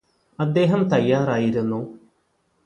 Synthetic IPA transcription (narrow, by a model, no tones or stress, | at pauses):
ɐd̪ːe̞ːɦɐmt̪ɐjːaːraːjiɾunːu